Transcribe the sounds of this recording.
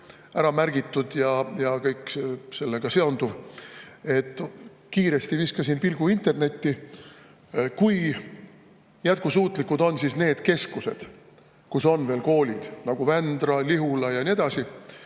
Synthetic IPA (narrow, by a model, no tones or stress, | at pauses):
æɾɑmærɡ̥it̪ˑːud̪̥jɑjɑkɤjkse̞lːeɡ̥ɑse̞o̞nd̪̥uv | e̞t̪ˑː | kiːɾe̞st̪iviskɑsinpilɡ̥uint̪e̞rne̞t̪ːi | kuj | jæt̪̚kusuːt̪ˑlikːud̪̥o̞nːsisne̞ːd̪̥ke̞skuse̞̰d̪̥ | kuso̞nve̞ːlko̞ːlʲid̪̥nɑɡ̥uvænd̪rɑliɦulɑjɑnie̞d̪̥ɑsi